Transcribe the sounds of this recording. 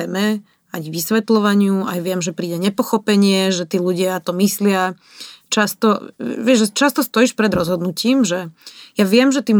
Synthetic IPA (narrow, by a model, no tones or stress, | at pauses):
ɛmɛ | ajɡʋisʋɛt̪lɔʋaɲɪua̰jʋɪɛmʒɛpɾiːɟɛɲɛpɔxɔpɛɲɪɛʒɛt̪iːluɟɪat̪ɔmislɪa | t͡ʃast̪ɔʋɪɛʒʒɛt͡ʃast̪ɔst̪ɔiʃpɾɛd̪ɾɔzɦɔd̪nuciːmʒɛjaʋɪɛmʒɛt̪im